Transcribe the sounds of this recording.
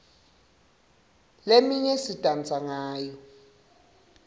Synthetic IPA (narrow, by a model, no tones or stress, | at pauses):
lemiɲɛsitʼant͡sʼaŋaːjɔ